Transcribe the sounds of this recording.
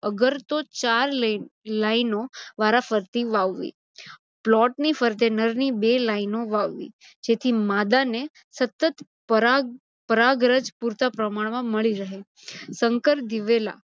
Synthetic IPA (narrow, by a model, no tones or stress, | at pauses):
əɡəɾt̪ot͡ʃaɾllainoʋaɾafəɾt̪iʋaʋːḭ | plɔʈnifəɾt̪enəɾnibelainoʋaʋːḭ | d͡ʒet̪ʰimad̪ane | sət̪ːət̪ | pəɾa | pəɾaɡɾəd͡ʒpuɾt̪apɾəmaɳ̃ʋãməɭiɾəɦe | səŋkəɾd̪iʋela̰